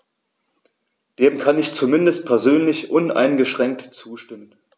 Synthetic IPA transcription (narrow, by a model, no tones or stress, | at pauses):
d̥eːmkʰanɪçt͡sumɪndəstpʰɛɐzøːnlɪçʔʊnʔa̰ɪnɡəʃʁ̥ɛŋk̚tt͡suːʃtɪmən